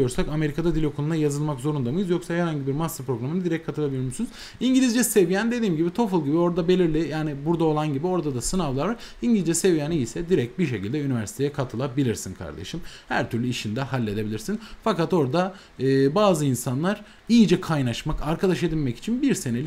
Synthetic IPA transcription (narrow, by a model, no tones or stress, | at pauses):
jo̞ɾsakame̞ɾikʰad̪ad̪ilʲokʰonˠunajazɯlˠmakzo̞ɾund̪amɯjɯzjo̞ksaheɾaɲɟibiɾmasːɯpɾo̞ɡɾamɯnɯd̪iɾɛc̚kʰːat̪ʰɯlˠabilʲiɾmuʃsynuz | iɲɟilʲizd͡ʒɛse̞vijænd̪e̞d̪iːmɟibit̪ʰo̞fɯlˠɟibio̞ɾd̪abe̞lʲiɾlʲɪjaːnibuɾd̪ao̞lˠanɟibio̞ɾd̪ad̪asɯnavlˠaɾvaɾiɲɟilizd͡ʒɛse̞vijænijisɛd̪iɾɛc̚t̪̚biʃe̞cʰilʲd̪ɛynivæɾsi̥t̪ejɛkʰat̪ʰɯlˠabilʲiɾsinkʰa̰ɾd̪e̞̰ʃɯmhæɾt̪ʰyɾlʲyiʃind̪ɛhalʲːe̞d̪e̞bilʲiɾsinfakat̪o̞ɾd̪a | ɯbaːzɯinsanlˠaɾ | ijid͡ʒɛkʰajnaʃmakaɾkʰad̪aʃe̞d̪ilʲmɛci̥t͡ʃʰinbiɾse̞ne̞lʲi